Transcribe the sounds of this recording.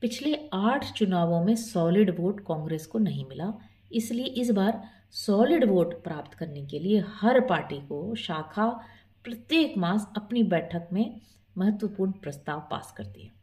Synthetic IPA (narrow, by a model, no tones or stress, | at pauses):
pɪt͡ʃʰleaːʈʰt͡ʃʊnaːʋõmẽsɔːlɪɖʋoːʈkaɔ̃ːŋɡɾeːskonɐɦĩmɪlaː | ɪslieʔɪs̬baːɾ | sɔːlɪɖʋoːʈpɾaːpt̪kɐɾnekeliehɐɾpaːɾʈikoʃaːkʰa | pɾɐt̪jeːkmaːsɐpnibɛːʈʰəkmẽ | mɐɦət̪wəpuːɾnpɾɐst̪aːʋpa̰ːskɐɾt̪ḭɦɛ̃ː